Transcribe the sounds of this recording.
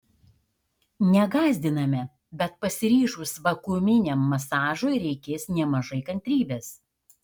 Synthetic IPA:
nʲɛɡɑːzʲd̪ʲɪnɐmʲɛ | bʲɛt̪̚pɐsʲɪɾʲiːʒuːsʋɐkʊmʲɪnʲɛmːɐsɑːʒoɪɾʲɛɪkʲeːsnʲɛmɐʒɐɪkɐnʲt̪ʲɾʲiːbʲeɛs

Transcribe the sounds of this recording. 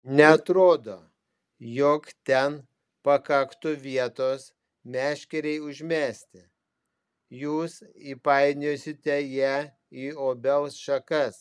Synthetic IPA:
nʲɛɐt̪ɾoːd̪oː | jokt̪ʲɛn | pɐkɐkt̪ʊʋʲiɛt̪oːs | mʲæːʃʲkʲɛɾʲɛɪʊʒʲmʲæːsʲt̪ʲɪ | juːsipɐɪnʲoːsʲɪt̪ʲɛjæː | iːoːbʲɛlˠsʃɐkɐs

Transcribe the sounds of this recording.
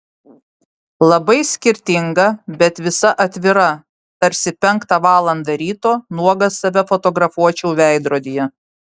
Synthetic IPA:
lˠɐbɐɪsʲkʲɪɾʲt̪ʲɪŋɡɐbʲɛt̪ʋʲɪsɐʔɐt̪ʲʋʲɪɾɐ | t̪ɐɾʲsʲɪpʲɛŋˑkt̪ɑʋɑːlˠɐnd̪ɐɾʲiːt̪oːnuɔɡɐsɐʋʲɛfɔt̪ɔɡɾɐfuɔt͡ʃʲɛʊʋʲæˑɪd̪ɾoːd̪ʲijɛ

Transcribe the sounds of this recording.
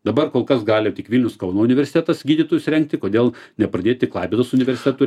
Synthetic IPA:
d̪ɐbɐɾkoːlˠkɐsɡɑːlʲjɛʊt̪ʲɪkʋʲilʲnʲɛʊskɒʊnoːʊnʲɪʋʲɛɾʲsʲɪ̥t̪ʲæːt̪ɐsɡʲiːdʲiːt̪oːjʊsɾʲɛŋk̚t̪ʲɪkoːd̪ʲeːlˠnʲɛpɾɐd̪ʲeːt̪̚ʲt̪ʲɪklˠɑːpʲeːd̪oːsʊnʲɪʋʲɛɾʲsʲɪ̥t̪ʲɛt̪ʊ

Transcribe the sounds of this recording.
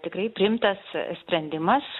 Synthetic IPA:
t̪ʲɪkɾɐɪpʲɾʲɪɪmt̪ɐssʲpʲɾʲɛnʲd̪ʲɪmɐs

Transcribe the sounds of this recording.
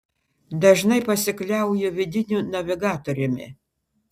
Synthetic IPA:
d̪ɐʒnɐɪpɐsʲɪklʲɛˑʊjʊʋʲɪd̪ʲɪnʲunɐʋʲɪɡɑːt̪oɾʲɪmʲɪ̰

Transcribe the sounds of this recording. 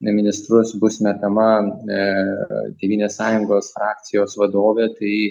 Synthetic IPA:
mʲɪnʲɪst̪ɾʊsbʊsʲmʲɛt̪ɐmɐ | t̪ʲeːʋʲiːnʲeːssɑːjʊŋɡoːsfɾɑːkt̪sʲɪjoːsʋɐd̪oːʋʲeːt̪ɐɪ

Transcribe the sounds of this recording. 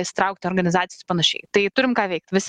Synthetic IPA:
sʲt̪ɾɐʊk̚t̪ʲɪoːɾɡɐnʲɪzɑːt̪ʲɪjospɐnɐʃʲɛ̰ɪt̪ɐɪt̪ʊɾʲɪmkɑːʋʲɛɪk̚t̪ʲʋʲɪsʲ

